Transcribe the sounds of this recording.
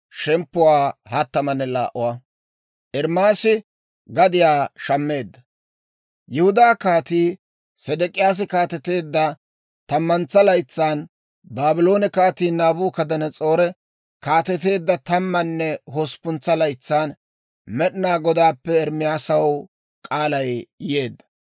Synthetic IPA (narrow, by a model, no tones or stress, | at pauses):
ʃɛmpːʊwaːhɐt̪ːɐmɐnɛla̰ːʔːʊwɐ | ʔɛɾmaːsɪ | ɡɐd̪ɪjaːʃɐmːe̞ːd̪ːɐ | jɛhʊd̪aːkaːt̪iː | sɛd̪ɛkʼɪjaːs̬ɪkaːt̪ɛt̪e̞ːd̪ːɐ | t̪ɐmːɐnt͡sːɐlɐjt͡sːaːn | baːbɪlo̞ːnɛkaːt̪iːnaːbuːkɐd̪ɐnɛt͡sʼo̞ːɾɛ | kaːt̪ɛt̪e̞ːd̪ːɐt̪ɐmːɐnːɛɦospʊnt͡sːɐlɐjt͡sːaːn | mɛɗɪnaːɡɔd̪aːpːɛːɾmɪjaːsɐw | kʼaːlɐjjɪje̞ːd̪ːɐ̥